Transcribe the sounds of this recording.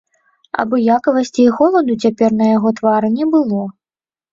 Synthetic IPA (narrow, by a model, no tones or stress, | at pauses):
ɐ̰bɔjakɐvɐsʲt͡sʲiːɣɔlˠɐd̪ut͡sʲapʲɛrnɐjaɣɔt̪vaɾɨnʲɛbɨlˠɔ